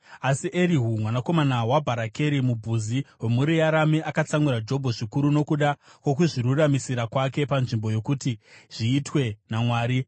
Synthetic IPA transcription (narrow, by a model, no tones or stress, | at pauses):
asiʔeɾiɦumwanako̞manawabʱaɾake̞ɾimubʱuziwemuɾijaɾamiʔakat͡samwiɾad͡ʒo̞bʱoʐikuɾuno̞kuɗakwo̞k̬uʐiruramisiɾakwake̞panʐimbo̞jo̞kutiʐ̥iːtwe̞namwaːɾi